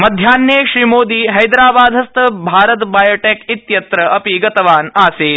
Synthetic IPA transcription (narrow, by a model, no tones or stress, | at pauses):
mɐd̪ʱjaːnjeɕɾimoːd̪iːɦɐjd̪ɾaːbaːd̪ʱɐst̪əbʱaːɾət̪baːjoːʈekit̪jɐt̪ɾəɐpiɡɐt̪ʋaːnaːseː